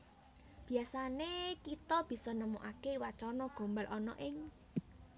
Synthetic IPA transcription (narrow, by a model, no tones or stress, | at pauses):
b̥i̤asanekit̪ɔb̥i̤sɔnəmuʔakewat͡ʃɔnɔɡ̥o̤mbalʔɔnɔ̰ʔɪŋ